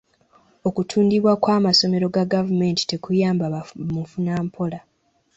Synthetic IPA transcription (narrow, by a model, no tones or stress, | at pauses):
o̞kutʰuːndiβwakwaːmaso̞me̞ɾo̞ɡaɡavume̞ːnti̥te̞kujaːmbamufunaːmpʰo̞la